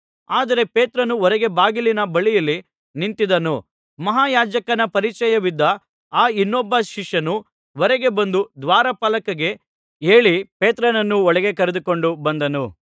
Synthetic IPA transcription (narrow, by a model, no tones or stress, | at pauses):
aːd̪ɐɾe̞pe̞ːt̪ɾɐnuɔɾɛɡe̞baːɡilinɐbɐɭijɐlːi | nint̪id̪ɐnu | mɐɦaːjaːd͡ʒɐkɐnɐpɐɾit͡ʃɐjɐʋid̪ːɐ | aːinːɔbːɐʃiʂjɐnu | ʋɔɾɛɡe̞bɐnd̪ud̪ʋaːɾɐpɐlɐkɐɡe̞ | e̞ːɭipeːt̪ɾɐnɐnːuɔɭɛɡe̞kɐɾed̪uko̞ɳɖubɐnd̪ɐnu